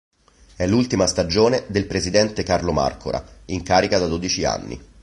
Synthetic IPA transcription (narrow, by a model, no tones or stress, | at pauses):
ɛlːult̪imast̪ad͡ʒoːned̪elpɾezid̪ɛnt̪ekarloma̰rko̰ɾa̰iŋkaːɾikad̪ad̪od̪it͡ʃia̰nːḭ